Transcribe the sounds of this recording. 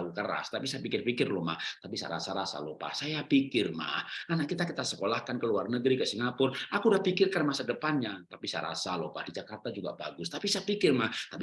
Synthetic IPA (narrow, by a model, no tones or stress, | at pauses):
ukəɾa̰st̪apisajapikɪrpikɪrlɔma̰ht̪apisaja̰ɾa̰saɾasa̰lopa̰hsajapikɪrma̰hanaʔkit̪akit̪asəkolahkankəluarnəɡɾikəsiŋapʊrʔakudahpikɪrkarmasadəpanɲatt̪apisaja̰ɾa̰salopahdid͡ʒakart̪ad͡ʒuɡa̰baɡʊst̪apisajapikɪrmaht̪ap